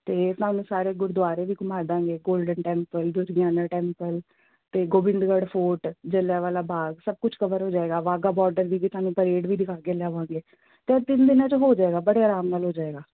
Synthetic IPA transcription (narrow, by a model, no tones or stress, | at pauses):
t̪eːt̪aːnũːsaːɾeːɡʊɾd̪ʋaːɾeːʋiːɡʊmaːɾd̪ãːŋɡeːɡoːlɖənʈɛ̃ːmpəld̪ʊɾɡaːnãːʈɛːmpəl | t̪eːɡoːbɪ̃nd̪ɡəɖpʰoːʈd͡ʒəlaːʋaːlaːbʱaːɡsəb̚kʊt͡ʃʰkəʋəɾɦoːd͡ʒaːeːɡaːʋaːɡaːbɔːɾɖəɾd̪iːd͡ʒit̪aːnũːpəɾeːɖʋiːd̪ɪkʰaːkeːlaːʋãːŋɡeː | t̪eːt̪ɪnd̪ɪnãːt͡ʃɦoːd͡ʒaːeːɡaːbəɽeːaːɾaːmnaːlɦoːd͡ʒaːeːɡaː